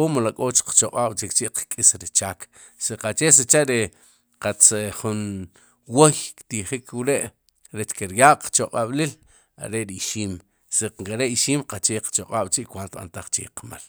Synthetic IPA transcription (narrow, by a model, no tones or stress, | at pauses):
oːmlakʼoːt͡ʃqt͡ʃoqʼaːɓ̥t͡ʃikt͡ʃiʔqkʼisɾit͡ʃaːk | siqat͡ʃeːset͡ʃaʔɾe | qat͡seχun | wojkt̪iχikʰwɾeʔ | ɾet͡ʃkeɾjaːʔqt͡ʃoqʼaɓlil | a̰ɾeʔɾiʃiːm | seqqaɾeʔiʃiːmqat͡ʃeːqt͡ʃoqʼaːɓ̥t͡ʃiʔkwant̪ɓa̰nt̪aχt͡ʃḛqma̰l